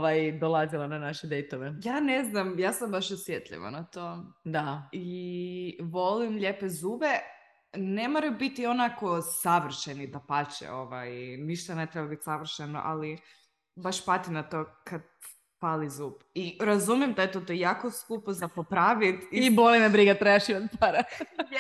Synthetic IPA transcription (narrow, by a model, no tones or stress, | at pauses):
ʋajd̪olˠazilˠananaʃed̪ejt̪oʋejaːneznamjaːsambaʃosʋjet̪ʎḭʋa̰nat̪od̪ai | ʋolimʎepezuːbe | nemoɾajbit̪ionakosaʋr̩ʃenit̪apat͡ʃḛoʋajniʃt̪anet̪ɾebabit̪saʋr̩ʃeno̰ʔa̰li | baʃpat̪inat̪oːkʰad̪̚ | palizuːbiɾazumjemd̪aet̪ot̪ojakoskupozapopɾaʋit̪ibolinabɾiɡat̪ɾajaʃimat̪paɾa